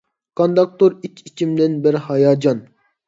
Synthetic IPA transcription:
kond̪ɑk̚t̪oɾikʲʰit͡ʃʰimd̪ɪnbɪɾhɑjɑːd͡ʒɑn

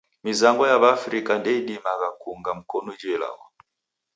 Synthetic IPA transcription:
mizaŋɡɔjaβafɾikandɛiɗimaɣakuŋɡam̩kɔnud͡ʒɛla̰ɣɔ̰

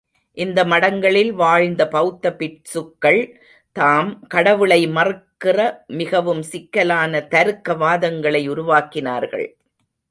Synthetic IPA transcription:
ʔɪnd̪ɐmɐɽɐŋɡɐɭɪlʋaːɻnd̪ɐpɐɣɯt̪ːɐpɪʈsɯkːɐɭ | t̪aːmkɐɽɐʋɯɭɐɪmɐrɯkːɪrɐmɪɣɐʋɯmsɪkːɐlaːnɐt̪ɐɾɯkːɐʋaːðɐŋɡɐɭɐɪʊɾʊʋaːkɪna̰ːɾɣɐ̰ɭ

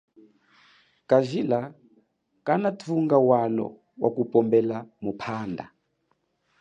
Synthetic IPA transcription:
kaʒila | kanatʰuŋɡawalɔ̰ | wʔa̰kupʼɔmbɛlamupʰaːnda̰

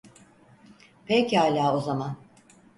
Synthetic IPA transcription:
pʰɛchaːlʲaːo̞zaman

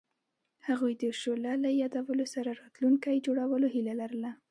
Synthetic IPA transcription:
haɣujd̪əʃolalajɑd̪awəlosaɾaɾɑt̪luŋkajd͡ʒoɽawəloɦilalaɾəla

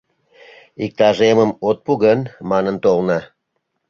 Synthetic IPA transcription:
ik̚t̪ɑʒeməmot̪̚puɣənmɑnənt̪olnɑ

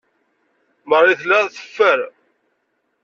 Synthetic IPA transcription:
məɾˤiθlæðθə̥fːəɾ

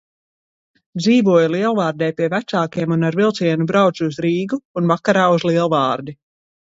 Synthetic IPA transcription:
d̪ziːvuɔjlˠiɛlˠvaːɾd̪ɛːjpiɛvæt̪saːkiɛmunaɾvilˠt̪siɛnubɾawt̪suzɾiːɡuːnvakaɾaːuzlˠiɛlˠvaːɾd̪i

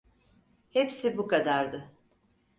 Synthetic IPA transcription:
hepsibukad̪aɾd̪ɯ

